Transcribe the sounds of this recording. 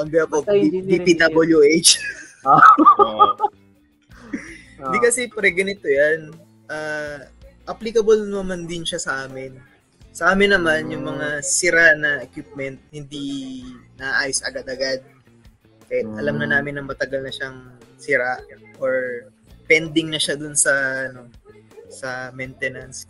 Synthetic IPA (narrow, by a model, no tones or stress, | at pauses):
ɐmbɛɐpoibipid̪abɐljuʔet͡ʃː | d̪ikɐsɛpɾɛɡɐnɪt̪ojan | ʔaː | ʔɐplikɐbɐlɐmand̪ɪnʃasɐʔaːmɪn | sɐʔaːmɪnːɐmanjʊŋmɐŋasɪɾaʔnɐʔɛkwip̚mɛnt̪̚hɪnd̪inɐʔaʔaːjosʔɐɡad̪ɐɡad̪̚ | ʔɛʔɐlamnɐnaːmɪnɐŋmɐt̪ɐɡalnɐʃaŋsɪɾaʔʔoɹ | pɛnd̪ɪŋnɐʃad̪ʊnsɐɐno̞sɐmɛnt̪ɛnɐns